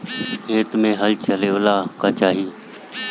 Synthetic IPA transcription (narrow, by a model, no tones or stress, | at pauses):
keːt̪mẽːɦəlt͡ʃəleːoːlaːkaːt͡ʃaːɦiː